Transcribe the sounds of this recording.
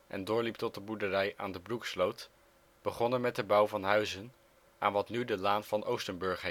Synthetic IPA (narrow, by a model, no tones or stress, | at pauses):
ʔɛ̰ndʊːɹlip̚tɔt̚dəbudərɛja̰ːndəbrukslowt | b̥əχɔnəɹmɛt̚dəbʌwvɑnɦœɥzən | ʔa̰ːnʋɑtnydəlaːnv̥ɑnowstənbɵɹχ